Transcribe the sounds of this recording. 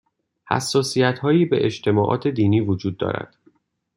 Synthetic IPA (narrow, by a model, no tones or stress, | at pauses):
hæ̰sːɒːsijæt̪hɒːjiːbe̞̰ʔed͡ʒt̪ʰe̞mɒːʔɒ̰ːt̪ʰe̞d̪iːniːvod͡ʒuːd̪̚ːɒ̰ːɾæ̰d̪̥